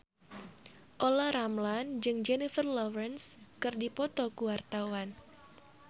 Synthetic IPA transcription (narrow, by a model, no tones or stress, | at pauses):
ʔolaɾamland͡ʒɨŋd͡ʒɛnifərlɔvɾɛnskɨrdipɔt̪ɔkuwart̪awan